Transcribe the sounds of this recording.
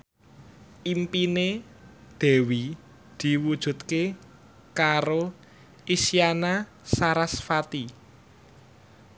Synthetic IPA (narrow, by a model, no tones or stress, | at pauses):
impine | d̪̥e̤wi | d̪̥i̤wud̥ʒ̥ṳt̪̚ke | kaɾo | isiana | saɾasfat̪i